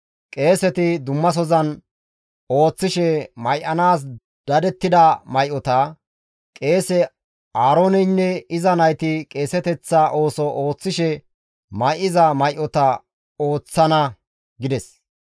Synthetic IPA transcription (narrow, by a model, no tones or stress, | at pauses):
kʼe̞ːsɛt̪ɪd̪ʊmːɐs̬ɔzɐn | o̞ːt͡sːɪʃɛmɐjʔɐnaːs̬ | d̪̥ɐd̪ɛt̪ːɪd̪ɐmɐjʔɔt̪ɐ | kʼe̞ːsɛ | aːɾoːnɛnːɛɪzɐnɐjt̪ɪkʼe̞ːsɛt̪ɛt͡sːɐʔo̞ːsɔʔoːt͡sːɪʃɛ | mɐjʔɪzɐmɐjʔɔt̪ɐ | oːt͡sːɐnɐ | ɡɪd̪ɛs